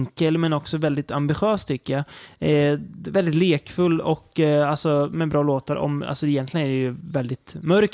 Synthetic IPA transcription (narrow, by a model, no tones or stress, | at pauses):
ŋkəlmɛnɔksɔvɛld̪ɪt̪ambɪɧøːst̪ʰʏkːəja | vɛld̪ɪt̪leːkfɵlːɔkːalsɔmɛbɾɑːloːt̪əɾʔɔ̰ma̰lsɔɪjɛnt̪ʰlɪɡənæɖɛjɵvɛld̪ɪt̪mœɾk